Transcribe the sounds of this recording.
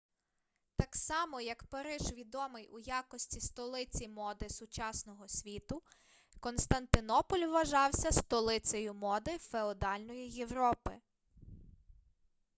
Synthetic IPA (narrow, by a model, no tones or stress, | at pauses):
t̪ɑksɑmɔjɐkpɐɾɪʒʋʲid̪ɔmɪjʔujɑkɔsʲtʲist̪ɔlˠɪt͡sʲimɔd̪ɪsʊt͡ʃɑsnɔɦɔsʲʋʲit̪ʊ | kɔnst̪ɐnt̪ɪnɔpɔlʲʋːɐʒɑwsʲɐst̪ɔlˠɪt͡sʲɐjʊmɔd̪ɪfeɔd̪ɑlʲnɔjijewɾɔpɪ